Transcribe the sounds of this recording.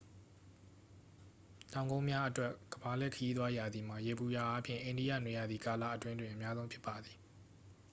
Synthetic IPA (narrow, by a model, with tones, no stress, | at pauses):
tã˨ʊ̃ŋɡõ˦mja˦ʔətwɛ˦ʔɡ̥əba˨lɛ˦˨kʰəji˦t̪wa˦ja˨d̪i˨m̥a˨je˨bu˨ja˨ʔa˦pʰjɪ̰̃˦˨ʔẽ˨ndi˦ja̰˦˨nwe˨ja˨d̪ði˨ka˨la̰˦˨ʔətwɪ̃˦ndwɪ̃˨ʔə˨mja˦zõ˦ʊ̃mpʰjɪ˦pːa˨d̪i˨